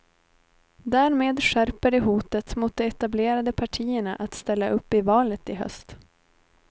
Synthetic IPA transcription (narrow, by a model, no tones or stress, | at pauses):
d̪æːɾmeːd̪ɧæɾpəɖɛɦuːt̪ət̪mʊːt̪̚d̪ɛɛt̪ableːɾad̪əpʰaʈʰiːəɳaʔat̪st̪ɛlːaʔɵpːɪvɑːlət̪ɪɦœ̰st̪